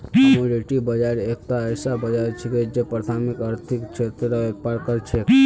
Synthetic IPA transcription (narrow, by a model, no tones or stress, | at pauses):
əmũɾeʈibəd͡ʒaɾek̚t̪aːjsabəd͡ʒaɾt͡ʃʰiked͡ʒepɾat̪ʰamikəɾt̪ʰikt͡ʃʰet̪ɾɾaʋepaɾkəɾt͡ʃʰe